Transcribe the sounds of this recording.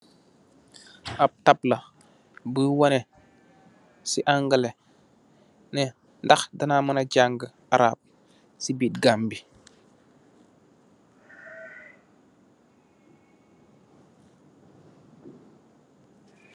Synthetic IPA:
ap̚tapla | bəwanɛ | siʔaŋɡəle | nɛ | ndaxdɐnamənaɟaŋɡə | aɾa̰ːp̚ | sibiːt̚ɡambi

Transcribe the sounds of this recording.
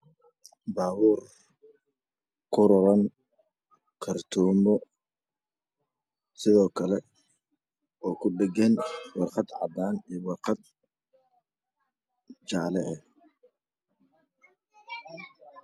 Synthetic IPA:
baːwuːr | kʰʊɾɔɾɐŋ | kʰɐrt̪ʰuːmɔ | sɪðɔːkʰɐlɛ | ɔːkʰʊɖɛɡɛnwɑrqɑd̪ʕɑ̰d̪aːniːwɑrqɑd̪ | d͡ʒɑʕlɛʔɛ

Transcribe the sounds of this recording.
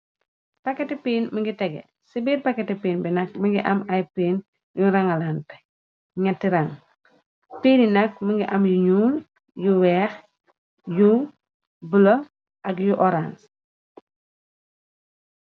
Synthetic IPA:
pɐkɛtipiːnməŋɡitɛɡɛ̰ | sibiːɾpakɛtipiːnbinɐk̚məŋɡiʔɐmɐjpiːn | juɾaŋɐlant | ŋɐtːiɾɐŋ | piːninɐk̚məŋɡiʔɐmjuɲuːl | juwɛːx | ju | bulo | ʔɐkjuʔɔɾans

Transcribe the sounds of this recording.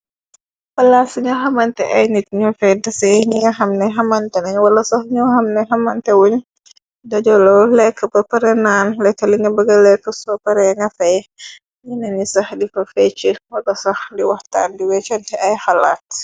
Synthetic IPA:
pɐlasuɲɔɦɐmɐntɛʔɐjnit̚ɲɔfɛdɐsɛɲiŋɐɦɐmnɛɦɐmɐntɛnɐɲwɐlɐsɔhɲuhɐmnɛɦɐmɐntɛwuɲ | dɐd͡ʒɔlɔlɛkːəpɐpɐɾɛnaːnlɛkːəliŋɐbəɡɐlɛkːəsɔpɐɾɛŋɐfɛj | ɲinɐnisɐxdifɐfɛt͡ʃːəwɐɡɐsɐhdiwɐhta̰ːndiwɛt͡ʃɔntɛʔɐjxɐla̰ːt̚

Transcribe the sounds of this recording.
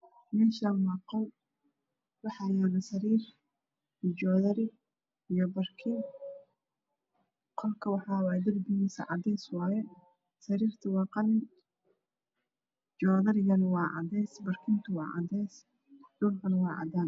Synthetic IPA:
mɛːʃanwɑːqɔw | wɑħɑjaːnɐsɐɾiːr | id͡ʒɔːðɐɾɪ | ijɔbɐrkʰɪn | qʰɔlkʰɐwɑħɑːwɑːjd̪ɐrbɪmisɐ̰ʕɑd̪ɛjswɑːjɛ | sɐɾiːrt̪ʰɐwɑːqɑnɪ | d͡ʒɔːðɐɾɪjɐnwɑːʕɑ̰d̪ɛjsbɐrkʰɪnt̪ʰʊwɑ̰ːʕɑ̰d̪ɛjs | d̪̥ʊlkɐnwɑːʕɑ̰d̪an

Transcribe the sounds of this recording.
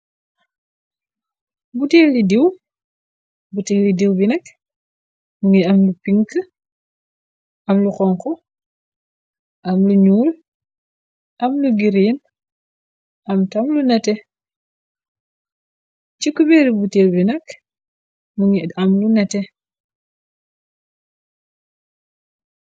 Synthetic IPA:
buteːlidiw | butelidiwbinɐk | muŋiɐmlupiŋkə | ʔɐmluxɔŋkɔ | ʔɐmluɲuːl | ʔɐmluɡiɾin | ʔɐmtɐmlunɛtɛ | t͡ʃikubɛɾibutewbinɐk | muŋiamlunɛtɛ

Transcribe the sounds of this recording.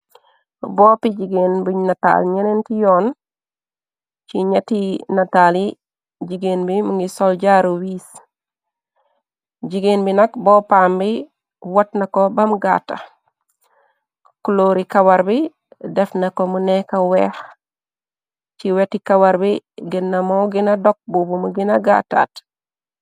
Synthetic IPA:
bopiɟiɡenbunata̰lɲenentijoːn | t͡ʃiɲatinatali | ɟiɡenbimuŋɡisolɟaɾowiːs | ɟiɡenbinɐkboːpaːmbi | watnakobamɡa̰ːta̰ | kuloɾikawaɾbi | defnakomunekawex | t͡ʃiwetikawaɾbiɡinːamoɡinadok̚bubumuɡinaɡa̰ta̰ːt

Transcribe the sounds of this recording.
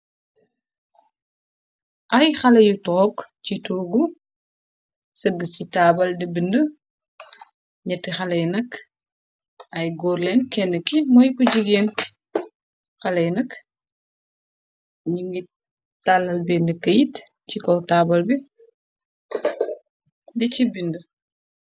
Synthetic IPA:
ʔɐjxɐlɐjutɔɔkcituːɡu | sɐɡːəcitaːbɐldəbində | ɲɐtːixɐlɐjnɐk | ʔɐjɡɔːɾlɛnkɛnːəkimɔjkuɟiɡeːn | xɐlɛjnɐk | ɲiŋɡi | talɐlbeːndəkːɐjit | t͡ʃikɔtabɐlbi | dicibində

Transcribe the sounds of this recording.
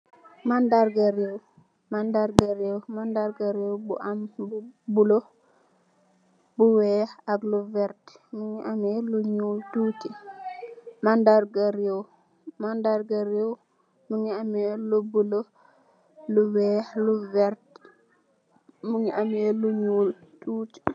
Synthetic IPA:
mandaɾɡaɾew | mandaɾɡaɾewmandaɾɡaɾewbṵʔambubulo | buwɛaɡluvɛɾtmuɲiʔameluɲututi | mandaɾɡaɾɛw | mandaɾɡaɾɛw | muniamɛlubulo | luwɛluvɛɾt | muɲiamɛluɲultuti̥

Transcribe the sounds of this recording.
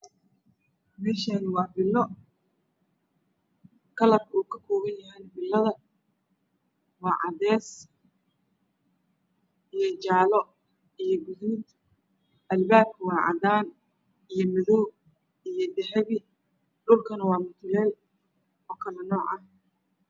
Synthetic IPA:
mɛːʃaːnwɑːbɪlːɔ | kʰɐlɐbuːkʰɐkʰɔːɣɐjjɐɦɛnbɪlːɐðɐ | wɑːʕɑd̪ɛːs | ʔijɞt͡ʃaːlɔ | ijɞɡʊðɪd̪ | ʔɐlbaːb̚kʰɐwɑːʕɑ̰d̪aːn | ijɞmɐðɔw | ijɞɖɛħɛβɪ | ɖʊlkʰɐnɐwɑːmʊt̪ʰɪlɛːl | ɔːkʰɐlɛnɔːʕɐh

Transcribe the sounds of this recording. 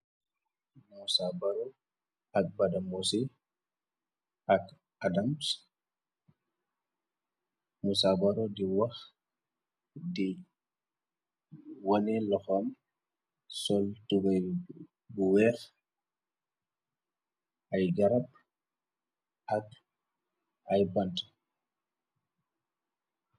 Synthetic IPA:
nawsabaɾɔ | ak̚badamosi | ak | adams | musabaɾɔdiwax | di | wanɛlɔxam | sɔltuɡaj | buwɛx | ʔajɡaɾab | ak | ʔajbant

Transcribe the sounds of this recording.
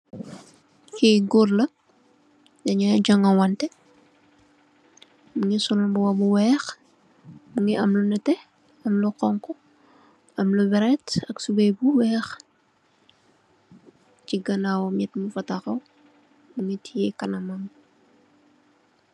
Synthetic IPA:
kiɡorlɐ | dɐɲad͡ʒɐŋɐwɐntɛ | muŋisɔlumbuwɐbuwɛːx | muŋiʔɐmlunɐtɛ | ɐmluqɔŋkɔ | ɐmlubɛɾɛtɐksubɛjbuwɛːx | t͡ʃiɡɐnawɔmɛtmufɐtaxɐw | muŋitʰijɛkɐnɐmɐm

